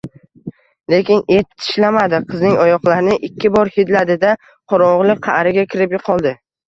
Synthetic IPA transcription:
le̞kʲɪnet̪ʰːɪ̥ʃlamad̪ɪqʰɨznɪŋɒjɒqlˠaɾnɪʔɪkʲʰːɪbɒɾhɪd̪lad̪ɪd̪a | qʰɒɾɒʁlˠɪqʰɑɾɪɡʲakʲʰɪɾɪpjʊqʰːɒlˠd̪ɪ

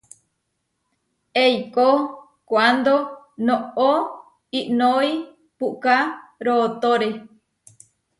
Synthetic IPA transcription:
ejko | kʷand̪o | noo | iʔnoi | puʔkaɾot̪oɾe

